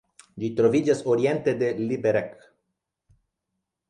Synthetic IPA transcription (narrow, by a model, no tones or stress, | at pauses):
d͡ʒit̪ɾovid͡ʒasoɾient̪ed̪elibeɾek